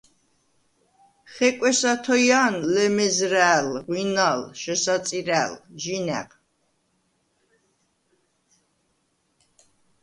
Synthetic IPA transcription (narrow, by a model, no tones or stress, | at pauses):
χɛkʼɛsat̪ʰɔjanlɛmɛzɾæːlʁwinalʃɛsat̪t͡s̪ʼiɾæːlʒinɛ̰q